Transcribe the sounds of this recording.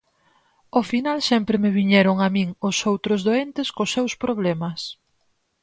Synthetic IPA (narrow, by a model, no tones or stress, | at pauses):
ofinalsɛmpɾɪmeβiɲɛɾʊŋamĩŋʊsowt̪ɾʊzðoent̪ɪskosːewspɾoβ̞lɛmɐs